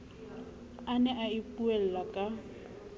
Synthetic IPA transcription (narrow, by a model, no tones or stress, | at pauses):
anɛʔaipʼuɛl̩lakʼa